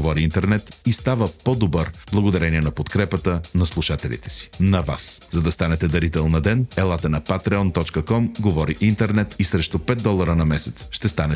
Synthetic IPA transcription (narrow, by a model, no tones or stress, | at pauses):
vɔɾiint̪ɛɾnɛt̪ist̪avəpɔd̪obəɾblˠɐɡod̪ɐɾɛniɛnɐpot̪kɾɛpət̪ənɐslˠuʃat̪ɛlḭt̪ɛ̥si̥nɐva̰szɐd̪ɐst̪anɛt̪ɛd̪ɐɾit̪ɛlˠnɐd̪ɛnɛlˠat̪ənɐpat̪ɾɛɔnt̪ɔt͡ʃkəkɔmɡovɔɾiʔint̪ɛɾnɛt̪isɾɛʃt̪ʊpɛt̪̚d̪ɔlˠəɾənɐmɛsɛ̥t̪sʃt̪ɛst̪anɛ